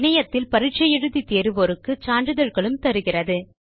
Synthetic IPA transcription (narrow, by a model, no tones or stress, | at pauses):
nɐjɐt̪ːɪlpɐɾɪʈ̚t͡ʃɐjɛɻɯðit̪eːɾɯʋɔɾɯkːɯt͡ʃaːɳɖrɯðɐɻɣɐɭɯmt̪ɐɾɯɣɪrɐðɯ